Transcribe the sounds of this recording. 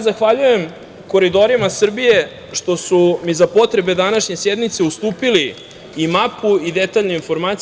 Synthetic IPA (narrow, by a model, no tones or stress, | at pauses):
zaxʋaʎuje̞m | ko̞ɾid̪o̞ɾimasr̩bije̞ | ʃt̪o̞sumizapo̞t̪ɾe̞be̞d̪anaʃɲe̞sjed̪mit̪se̞ust̪uːpiliː | mapuid̪et̪aʎnuinfo̞ɾmat̪s